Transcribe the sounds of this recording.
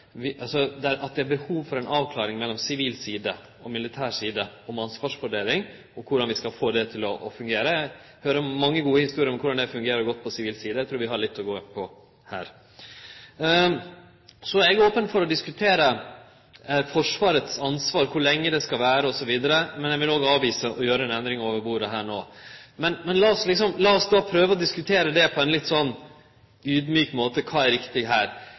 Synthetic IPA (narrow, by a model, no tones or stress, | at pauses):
ʋɪʔɑlsɔd̪ɛʔɑt̪̚d̪ɛæɾbəhuːʋfɔɾɛnɑːʋkʰlɑːɾɪŋmɛlːɔmsɪʋiːlsiːd̪ə | ɔmɪlɪt̪ʰæːʂiːd̪əɔmɑnsʋɑːʂʋʊɖeːlɪŋ | ɔkʰʊɖɑnʋɪskɑlfoːd̪ɛt̪ʰɪlɔʔɔfʉŋɡeːɾəæ | høːɾəmɑŋːəɡuːəhɪst̪uːɾɪəɾɔmkʰʊɖɑnd̪ɛfʉŋɡeːɾəɾɡɔt̪̚ːpʰɔsɪʋiːlsiːd̪əæɪt̪ʰɾuːɾʋɪɦɑɭɪt̪ʰːɔɡoːpʰɔ | hæ̰ːɾ | sɔɛɡoːpənfɔɾɔd̪ɪskʉt̪ʰeːɾə | fɔʂʋɑːɾət̪sɑnsʋɑːɾkʰʊɭɛŋːəd̪ɛskɑʋæːɾəɔsɔʋiːd̪əɾəmɛnjɛʋɪloːɡɑːʋiːsəʔɔjøːɾəɛnɛnd̪ɾɪŋoːʋəɾbuːɾəɦæːɳoːmɛnmɛnlɑːɔslɪksɔmlɑːɔsd̪ɑːpʰɾøːʋəɔd̪ɪskʉt̪ʰeːɾəd̪ɛpʰɔɛnlɪt̪ːsɔnː | yːd̪myːkmoːt̪əkʰɑːæɾɪkt̪ɪɡɦæːɾ